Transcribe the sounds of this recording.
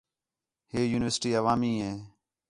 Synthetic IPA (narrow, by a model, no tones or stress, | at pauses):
heːjuːnɪʋəɾsʈiːəʋaːmiːɦẽː